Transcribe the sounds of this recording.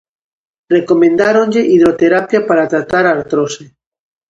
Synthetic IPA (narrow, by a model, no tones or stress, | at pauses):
rekomẽnd̪aɾonʎeʔið̞ɾot̪eɾapjapaɾat̪ɾat̪aɾaɾt̪ɾose